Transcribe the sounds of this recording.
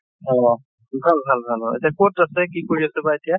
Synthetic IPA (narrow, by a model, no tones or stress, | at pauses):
ɔ̃ | bʱalbʱalbʱalɔḛtijakotasɛkikoɹiasɛbaetija